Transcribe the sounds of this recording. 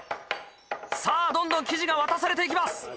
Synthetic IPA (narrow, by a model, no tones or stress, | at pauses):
saːd̪õ̞nd̪õŋkʲiʑiɡaβat̪asaɾe̞t̪e̞ik̬ʲimasɨ̥